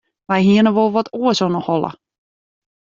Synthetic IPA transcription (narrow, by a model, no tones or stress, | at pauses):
ʋajɦiənəʋolˠʋɔtuəsɔnəhɔlˠə̰